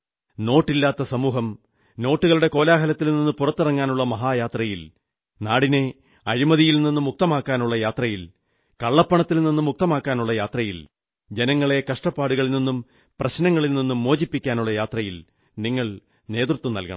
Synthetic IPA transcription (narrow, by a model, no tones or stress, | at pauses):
no̞ːʈːilːaːt̪ːɐsɐmuːɦɐm | no̞ːʈːuɣɐɭuɽe̞ko̞ːlaːɦɐlɐt̪ːilninːupurɐt̪ːirɐŋːaːnuɭːɐmɐɦaːjaːt̪rɐjil | naːɽine̞ | ɐɾimɐðijilninːumuk̚t̪ɐmaːkːaːnuɭːɐjaːt̪rɐjil | kɐɭːɐpːɐɳɐt̪ːilninːumːuk̚t̪ɐmaːkːaːnuɭːɐjaːt̪rɐjil | d͡ʑe̞nɐŋːɐɭe̞kɐʂʈɐpːaːɽuɣɐɭilninːum | prɐɕnɐŋːɐɭilninːumːo̞ːd͡ʑipːikʲːaːnuɭːɐjaːt̪rɐjil | niŋːɐɭ | ne̞ːt̪rut̪ːunɐ̰lkɐ̰ɳɐ̰m